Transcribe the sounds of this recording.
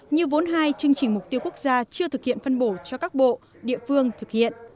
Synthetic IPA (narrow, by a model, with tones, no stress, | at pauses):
ɲɨ˧vo˨˦nɦaː˧jt͡ɕɨ˧əŋt͡ɕï˨˧˩ŋ̟m˨˩k͡p̚t̪i˧əwku˦˥k̚zaː˧t͡ɕɨ˧ət̪ʰɨ˨˩k̚hḭ˧˨ənfə˧nɓo˧˩t͡ɕɔ˧kaː˦˥k̚ɓo̰˧˨ | ɗḭ˧˨əfɨ˧əŋt̪ʰɨ˨˩k̚hḭ˧˨ənʔ